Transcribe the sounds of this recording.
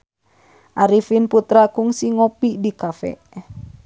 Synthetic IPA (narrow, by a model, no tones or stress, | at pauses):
ʔaɾifinput̪ɾakuŋsiŋopidikafɛ̰ʔ